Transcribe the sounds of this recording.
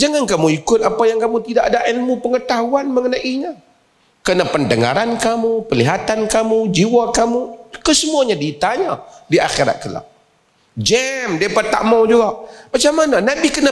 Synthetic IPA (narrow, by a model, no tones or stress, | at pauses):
d͡ʒaŋankamuikʊt̪̚apajaŋkamut̪idaʔadaʔɛlmupəŋət̪aɦuanməŋənaʔiɲa | kənapəndəŋa̰ɾankamupəliɦat̪ankamud͡ʒiwakamukəsəmuaɲadit̪aɲadiʔa̰xiɾa̰t̪̚kəla̰ʔ | d͡ʒɛmdiapərt̪a̰mad͡ʒuɡaʔmat͡ʃamananabikəna